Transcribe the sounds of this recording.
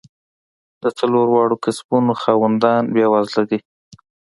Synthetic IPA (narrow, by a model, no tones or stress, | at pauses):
d̪̥ət͡saloɾwɑɽokasbunoxɑwand̪ɑnbjɑwɑzlaɡi